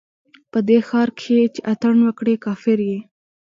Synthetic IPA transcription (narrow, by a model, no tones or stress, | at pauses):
pəd̪exɑɾkʰet͡ʃeʔat̪əɳwəkɽekɑfɪɾje